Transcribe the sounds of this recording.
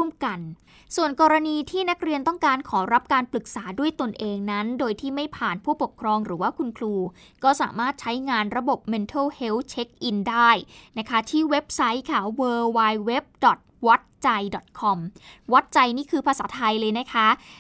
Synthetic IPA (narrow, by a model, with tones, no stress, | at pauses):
u˥˩˨mka˧n | su˨˩ənkɔː˧ɾa˧niː˧t̪ʰiː˥˩na˦˥k̚ɾi˧ənt̪ɔ˥˩ŋkaː˧nkʰɔː˩˦ɾa˦˥p̚kaː˧npɾɯ˨˩k̚saː˩˦du˥˩əjt̪o˧nʔeː˧ŋna˦˥ndoː˧jt̪ʰiː˥˩ma˥˩jpʰaː˨˩npʰuː˥˩pu˨˩kʰɾɔː˧ŋɾɯː˩˦waː˥˩kʰu˧nkʰluː˧ | kɔː˥˩sa̰ː˩˦maː˥˩t̪̚t͡ɕʰa˦˥jŋaː˧nɾa˧bo˨˩p̚me˧nt̪ʰoː˥˩he˦˥wt͡ɕʰe˦˥k̚ʔi˧ndaː˥˩jna˦˥kʰa˦˥t̪ʰiː˥˩we˦˥p̚sa˦˥jkʰaː˧˩wɤː˧waː˧jwe˦˥p̚dɔ˨˩t̪̚wa˦˥t̪̚t͡ɕa˧jdɔ˨˩t̪̚kʰɔ˧mwa˦˥t̪̚t͡ɕa˧jniː˥˩kʰɯː˧pʰaː˧saː˩˦t̪ʰa˧jlɤː˧jna˦˥kʰa˦˥